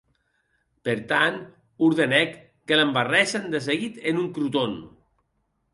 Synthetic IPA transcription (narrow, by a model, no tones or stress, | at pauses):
peɾt̪an | uɾðenɛkː | elembarɛsand̪es̬eɣit̪enuŋkɾut̪on